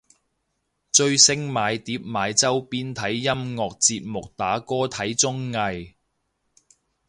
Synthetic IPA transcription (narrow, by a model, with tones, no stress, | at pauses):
t͡ʃɵ˧ɥsɪ˥ŋmaː˨˧jt̪iː˨˥p̚maː˨˧jt͡sɐ˥wpiː˥nt̪ʰɐ˨˥jːɐ˥mŋɔː˨˧k̚t͡siː˧p̚mʊ˨k̚t̪aː˨˥kɔː˥t̪ʰɐ˨˥jt͡sʊ˥ŋːɐ˧j